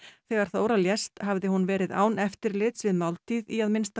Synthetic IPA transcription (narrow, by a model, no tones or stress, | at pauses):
θɛːɣaɾ̥θoːwɾaljɛst̪havðɪhunvɛːɾɪða̰ːwnɛft̪ɪɾlɪt̪svɪðmawlt̪ʰiːðiaðmɪnst̪a